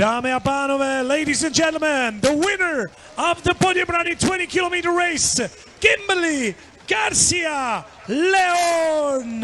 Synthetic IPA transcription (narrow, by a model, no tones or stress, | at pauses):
d̥aːmeabanovɛleɪɾizɨ̃nd͡ʒɛ̃ntˡl̩ˠmə̃nðəwɪnə˞ | əvðəbɔɾjəbɾanitʰwɛ̃ɾ̃ikʰɪlomiːɾə˞ɹeɪs | ɡ̥ɪ̃mbəli | ɡ̥aɾsiə | lɛɔn